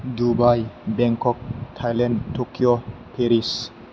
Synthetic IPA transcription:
d̪ubajbɛŋkɔk̚t̪ʰajlɛndt̪ːokiopʰeɾis

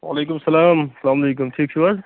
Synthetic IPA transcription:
wa̰leːk̬ʊmsɐlaːmsɐlaːmɐleːkʊmʈʰiːk̚t͡ʃʰuʋaz

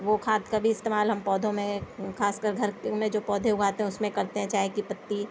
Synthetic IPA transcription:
ʋokʰaːt̪kabʱiɪst̪eːmaːlɦɐmpɔːd̪ʱõmẽkʰaːskəɾɡʱɐɾkmẽd͡ʒoːpɔːd̪ʱẽʊɡʱaːt̪eɦɛ̃ʊsmẽkɐɾt̪eɦɛ̃t͡ʃaːɦekipɐt̪ːi

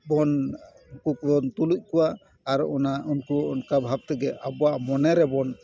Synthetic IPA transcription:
bɔn | kukbɔnt̪uluc̚ˀkuwaː | ɾɔnaunkuɔnkabʱab̚t̪ɛɡɛʔabuaʔmɔnɛɾɛbɔn

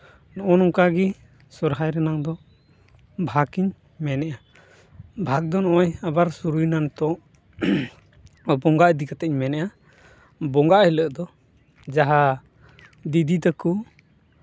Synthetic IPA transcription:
nɔʔɔnɔŋkaɡi | sɔɾɦajɾɛnaŋd̪ɔ | bʱakiɲ | mɛnɛʔa | bʱak̚d̪ɔnɔʔɔjabaɾsuɾujnant̪ɔ | bɔŋɡaʔd̪ikat̪ɛɲmɛnɛʔa | bɔŋɡaʔhiləʔd̪ɔ | d͡ʒaɦa | d̪id̪ʱit̪əku

